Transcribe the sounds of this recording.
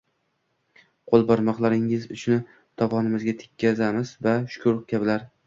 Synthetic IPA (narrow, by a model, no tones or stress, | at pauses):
qʰolˠbɒɾmɒqlˠaɾɪŋɪzʊt͡ʃʰʊnɪ | t̪ʰɒpɒnɪmɪzɡʲat̪ʰɪ̥kʲʰːazamɪzvaʃʊ̥kʰʊɾkʲʰabɪlaɾ